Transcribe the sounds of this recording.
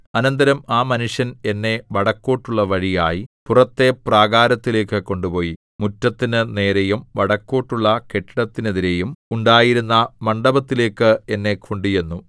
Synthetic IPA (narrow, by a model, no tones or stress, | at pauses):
ɐnɐnd̪ɐɾɐmaːmɐnuʂjɐne̞nːe̞ʋɐɽɐkːo̞ːʈːuɭːɐʋɐɻijaːjipurɐt̪ːe̞praːɡaːɾɐt̪ːile̞ːkːɨko̞ɳɖupo̞ːji | mutːɐt̪ːinɨne̞ːɾejumʋɐɽɐkːo̞ːʈːuɭːɐke̞ʈːɐɽɐt̪ːine̞ðiɾe̞jumuɳɖaːjiɾunːɐmɐɳɖɐbɐt̪ːile̞ːkːɨenːe̞kʰoɳɖije̞nːu